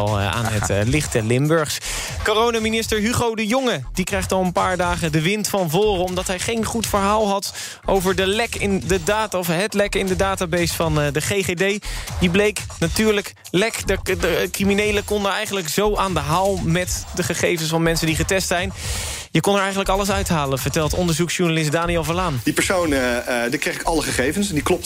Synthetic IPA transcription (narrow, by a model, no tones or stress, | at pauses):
lˠa̰ːnətlɪχtəlɪmbɵɹχs | korownaminɪstəɹɦyχowdəjʊŋədikrɛjχtɑlˠənpaːɹdaːχədəʋɪntfɑnvoːrəɔmdɑtɦɛjχejnχutfəɹɦaːlˠɦɑt | ʔowvəɹdəlɛkɪndədaːtɔfɦətlɛkɪndədaːtabesfɑndəχejχedejdiblejknatyːɹlək | lɛkdəəkriminejləkɔnəɛjχənləkz̥owʔaːndəɦaːlˠmɛtdəχəχejvənsfɑnmɛnsəndiχətɛstsɛjn | jəkɔnəɹɛjχənləkɑləs̬œɥtɦaːlənv̥əɹtɛlˠtɔ̰ndəɹzuksʃuɹnalɪs̬t̚daːniɛlˠvəlaːnd̥ipəɹsowndikejχɪkɑləχəχejvənsɛndiklɔp̚